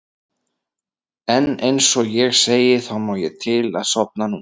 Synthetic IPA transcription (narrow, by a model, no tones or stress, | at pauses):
ɛnejnsɔɣjɛɣseːjɪθawmaːwjɛt̪ʰɪla̰ðsɔp̚nanu